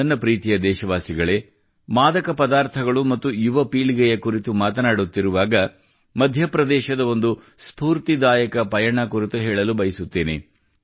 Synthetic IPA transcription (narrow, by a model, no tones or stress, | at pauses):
ɐnːɐpɾiːt̪ijɐd̪ɛːʃɐʋaːsiɡɐɭe̞ | maːd̪ɐkɐpɐd̪aːɾt̪ʰɐɡɐɭumɐt̪ːujuʋɐpiːɭiɡɛjɐkuɾit̪umaːt̪ɐnaːɽut̪ːiɾuʋaːɡɐ | mɐd̪ʱjɐpɾɐd̪ɛːʃɐd̪ɐo̞nd̪u | spuːɾt̪id̪aːjɐkɐpɐjɐɳɐkuɾit̪uɦɛːɭɐlubɐjisut̪ːeːnḛ